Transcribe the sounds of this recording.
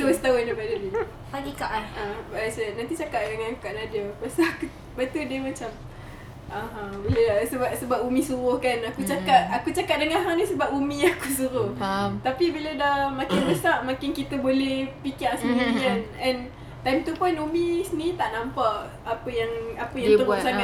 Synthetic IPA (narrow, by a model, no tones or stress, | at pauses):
duəst̪aʊndabadəli | aikaʔabasənant̪it͡ʃakaʔ̚dəŋãnukaʔnadəpast̪uaku | bat̪udiəmat͡ʃam | ʔaɦãbiləsəbaʔsəbap̚umĩsuɾʊhkanakut͡ʃakaʔakut͡ʃakaʔ̚dəŋaɦanisəbap̚umĩakusuɾʊt̪apibilədahmakɪnməst̪aʔmakɪnkit̪əbolɛhpikiʔasənulianɛn | t̪ajmt̪upʊnumĩsənit̪aʔnampaʔ | apəjaŋapəjaŋəɾʊʔ̚saa